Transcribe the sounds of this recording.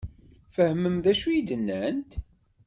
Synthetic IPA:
fəhməmðæʃujid̪ənːænt̪

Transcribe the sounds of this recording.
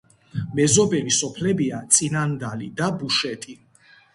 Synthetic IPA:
mɛzɔbɛlisɔpʰlɛbiat̪sʼinand̪alid̪abuʃɛt̪ʼi

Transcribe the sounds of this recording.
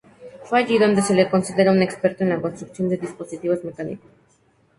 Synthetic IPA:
fwe̞aʝiðo̞nd̪e̞se̞le̞ko̞nsiðe̞ɾaune̞kspe̞ɾt̪oenlako̞nst̪ɾuksjo̞nd̪e̞ðispo̞sit̪iβozme̞kanḭkoss

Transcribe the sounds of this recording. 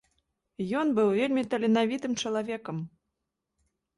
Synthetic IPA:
jɔnbɨwvʲelʲmʲit̪ɐlʲinavʲit̪ɨmt͡ʂɐlˠavʲɛkɐm

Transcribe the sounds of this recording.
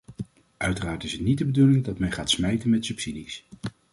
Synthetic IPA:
œɥtəraːɹtɪsətnid̚əbədulɪŋdɑtmɛnχaːtsmɛjtənmɛtsɵpsidis

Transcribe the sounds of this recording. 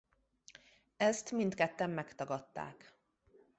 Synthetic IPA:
ɛst̪mint̪kɛt̪ːɛmːɛkt̪ɒɡɒt̪ːa̰ːk

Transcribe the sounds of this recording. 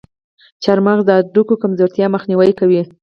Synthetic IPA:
t͡ʃaɾmaɣd̪əad̪ukokamzoɾt̪jɑməxniwajkawi

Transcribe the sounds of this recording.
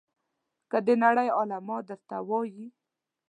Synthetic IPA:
kəd̪ənaɽəjɑlamɑd̪əɾt̪awɑji

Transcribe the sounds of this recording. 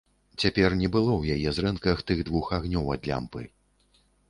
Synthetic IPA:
t͡sʲapʲɛrnʲɛbɨlˠɔwjajɛzɾɛnkɐxt̪ɨɣd̪vuxaɣnʲɔwad̪lʲa̰mpɨ̰

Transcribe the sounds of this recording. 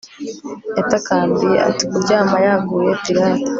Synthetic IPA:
etakaːmbia̰tikuɾɟaːmajaːɡuːje̞piɾaːto̥

